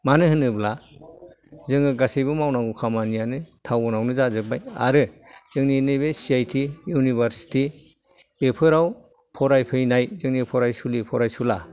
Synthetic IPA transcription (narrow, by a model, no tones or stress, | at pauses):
manɯɦɯnɯbla | zɯŋɯɡasejbɯmawnaŋɡukʰamanijanɯtʰawɔnawnɯzazɯbaja̰ɾɯzɯŋninebesijajtʰijunibaɾsi̥ti | b̥epʰɯɾaw | pʰɔɾajpʰɯjnajzɯŋnipʰɔɾajsulipʰɔɾajsula